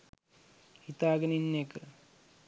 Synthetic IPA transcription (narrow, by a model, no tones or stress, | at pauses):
hit̪aːɡəninːekə